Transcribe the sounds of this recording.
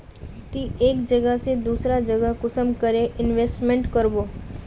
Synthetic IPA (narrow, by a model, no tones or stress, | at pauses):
t̪iʔeːkd͡ʒəɡəɦsed̪uːsɾad͡ʒəɡəkʊsəmkəɾeʔɪnʋeːsʈmẽɳʈkəɾboː